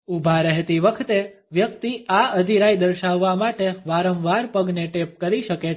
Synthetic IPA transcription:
ubʱaɾəɦet̪iʋəkʰt̪e | ʋjək̚t̪iaəd̪ʱiɾajd̪əɾʃaʋːamaʈeʋaɾə̃ʋʋaɾpəɡneʈep̚kəɾiʃəke

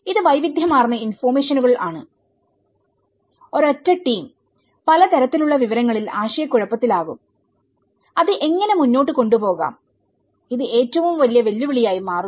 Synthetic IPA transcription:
iðɨʋɐjʋid̪ʱjɐmaːrnːɐinfoːme̞ːʂɐnuɣɐɭʔaːɳɨ̰ | o̞ɾɐtːɐʈːiːm | pɐlɐt̪ɐɾɐt̪ːiluɭːɐʋiʋɐɾɐŋːɐɭilaːɕɐjɐkːuɻɐpːɐt̪ːilaːɣṵm | ɐðɨʔe̞ŋːɐne̞munːo̞ːʈːɨko̞ɳɖupo̞ːɣa̰ːm | iðɨʔe̞ːtːɐʋumʋɐlijɐʋe̞lːuʋiɭijaːjimaːru

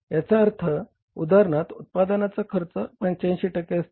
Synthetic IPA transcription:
jat͡ɕaəɾt̪ʰə | ud̪ʱaɾəɳat̪ut̪̚pad̪ənat͡sakʰəɾt͡səpə̃ɲt͡ɕãnɕeʈəkeəst̪

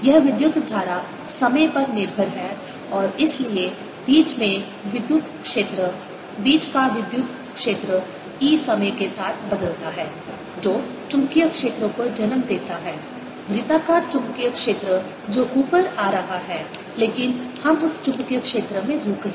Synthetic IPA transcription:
jɐɦʋɪd̪jʊt̪d̪ʱaːɾa | sɐməjpɐɾnɪɾbʱəɾɦɛ | ɔːɾɪslie | b̥iːt͡ʃmẽ | ʋɪd̪jʊt̪kʃeːt̪ɾə | biːt͡ʃkaʋɪd̪jʊt̪ | kʃeːt̪ɾə | iːsɐməjkesaːt̪ʰbɐd̪əlt̪aɦɛː | d͡ʒoːt͡ʃʊ̃ŋkijəkʃeːt̪ɾõkod͡ʒɐnmd̪eːt̪aɦɛː | b̪ɾɪt̪aːkat͡ʃʊ̃ŋkijəkʃeːt̪ɾə | d͡ʒoːʔuːpəɾaːɾɐɦaɦɛː | leːkɪnhɐmʊst͡ʃʊ̃mkijəkʃeːt̪ɾəmẽɾʱuːkː

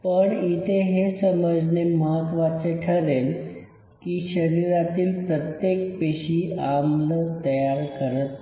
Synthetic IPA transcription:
pəɳit̪ʰeɦesəməd͡zneməɦət̪ʋat͡seʈʰəɾel | kiɕəɾiɾat̪iːlpɾət̪jek̚peɕiamlət̪əjaɾkəɾət̪

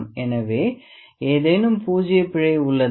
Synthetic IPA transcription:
mɛnɐʋeː | eːðɐjnɯmpuːd͡ʒɪjɐpːɪɻɐɪʊɭːɐ

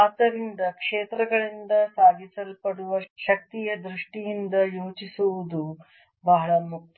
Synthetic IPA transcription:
aːt̪ɐɾind̪ɐkʂeːt̪ɾɐɡɐɭind̪ɐsaːɡʱisɐlpɐɽuʋɐʃɐk̚t̪ijɐd̪ɾuʂʈijind̪ɐjoːt͡ʃisuʋud̪u | bɐɦɐɭɐmuk̚

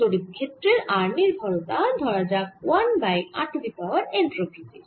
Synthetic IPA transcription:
oɽit̪̚kʰet̪ːɾeɾaɾniɾbʱɔlot̪ad̪ʱɔɾad͡ʑak̚wanbaja̰ʈʰdipawaɾeɳʈɾobʰʱitiɾ

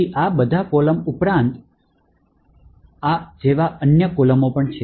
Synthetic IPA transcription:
iʔabəd̪ʱakoləmupɾãnt̪ | ad͡ʒeʋaʔənjəkoləmopəɳt͡ʃʰe

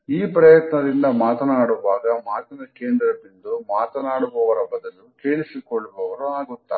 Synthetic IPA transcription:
iːpɾɐjɐt̪nɐd̪ind̪ɐmaːt̪ɐnaːɽuʋaːɡɐmaːt̪ɐnɐkeːnd̪ɾɐbind̪umaːt̪ɐnaːɽubɔʋɐɾɐbːɐd̪ɐnːukeːɭisikɔɭːubɔʋɐɾuaːɡut̪ːa̰ː

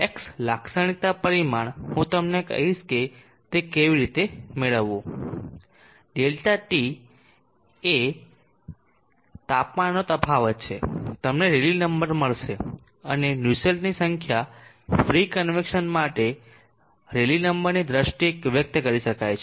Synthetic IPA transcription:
ekslakʰsəɽ̃it̪apəɾimaɳhũt̪əmnekə̰ɦiʃke | t̪ekeʋiɾit̪emeɭəʋːũ | ɖelʈaʈi | e | t̪apmanːot̪əpʰaʋət̪t͡ʃʰet̪əmneɾelinəmbəɾməɭʃe | ənenjuselnisəŋkʰja | fɾikənʋekʃənmaʈe | ɾelinəmbəɾnid̪ɾəʃʈiekʋjək̚t̪əkəɾiʃəkajt͡ʃʰe

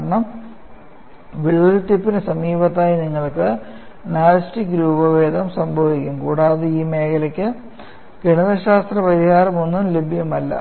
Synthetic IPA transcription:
ɐɳɐm | ʋiɻuɐlt̪ipːinɨsɐmiːbɐt̪ːaːjiniŋːɐɭkɨ | naːlɐstikɾuːbɐʋe̞ːd̪ɐmsɐmbʱɐʋikʲːumkuːɽaːðeiːme̞ːkʰɐlɐkʲːɨ | keɳɐðɐɕaːst̪rɐpɐɾihaːɾɐmo̞nːumle̞bʱijɐmɐlːɐ̰

